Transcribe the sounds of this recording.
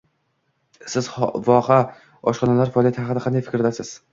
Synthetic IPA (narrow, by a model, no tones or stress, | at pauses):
sɪz̥vɒqa | ɒʃqɒnalaɾfɒːlˠijat̪ʰɪhaɑqɨd̪aqʰɑnajfɪ̥kʲɾd̪asɪz̥